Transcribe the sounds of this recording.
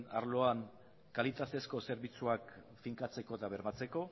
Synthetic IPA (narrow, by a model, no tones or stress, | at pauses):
na̰ɾlo̞aŋ | kalit̪at̪e̞sko̞se̞ɾβit͡suak | fiŋkat͡se̞ko̞t̪aβe̞ɾmat͡se̞ko̞